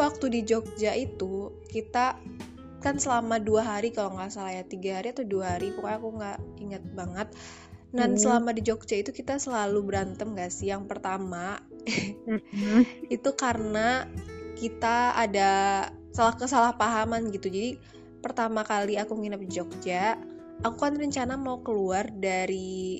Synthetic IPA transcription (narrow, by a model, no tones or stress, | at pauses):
wak̚t̪udid͡ʒok̚d͡ʒaʔit̪u | kit̪a | kansəlamaduaɦaɾikaloŋɡasalajat̪iɡaɦaɾiat̪awduaɦaɾipukaakuŋɡaʔiŋət̪̚baŋət̪̚ | nansəlamadid͡ʒok̚d͡ʒait̪ukit̪asəlalubəɾant̪əmɡaʔsɪhjaŋpərt̪ama | it̪ukaɾənakit̪aːdasalahkəsalahpaɦamanɡit̪ud͡ʒadi | pərt̪amakaliakuŋinap̚did͡ʒok̚d͡ʒaː | kukanrəɲt͡ʃanamaukəluardaɾi